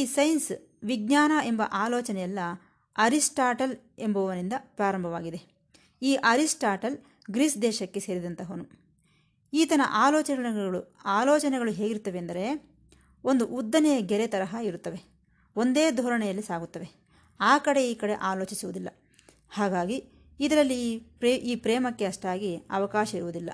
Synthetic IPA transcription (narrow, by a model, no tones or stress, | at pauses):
iːsɐjns | ʋiɡɲaːnɐe̞mbɐ̰ʔaːloːt͡ʃɐnɛjɐlːɐ | ɐɾisʈaːʈɐl | e̞mbɐʋɐʋɐnind̪ɐpɾaːɾɐmbʱɐʋaːɡid̪e̞ | iːʔɐɾisʈaːʈɐl | ɡɾiːsd̪ɛːʃɐkːe̞se̞ːɾid̪ɐnt̪ɐɦonu | iːt̪ɐnɐ̰ʔaːlɔːt͡ʃɐɡɐɭuaːloːt͡ʃɐnɛɡɐɭuɦe̞ːɡiɾut̪ːɐʋeːnd̪ɐɾe̞ | o̞nd̪uʔud̪ːɐnɛjɐɡɛɾet̪ɐɾɐɦɐiɾut̪ːɐʋe̞ | o̞nd̪e̞ːd̪ʱɔːɾɐɳɛjɐlːisaːɡut̪ːɐʋe̞ | aːkɐɽe̞iːkɐɽḛʔaːlo̞ːt͡ʃisuʋud̪ilːɐ̰ | haːɡaːɡiː | d̪ɐɾɐlːiʔiːpɾɛːmɐkːe̞ɐʂʈaːɡiɐ̰ʋɐkaːʃɐiɾuʋud̪ilːɐ̰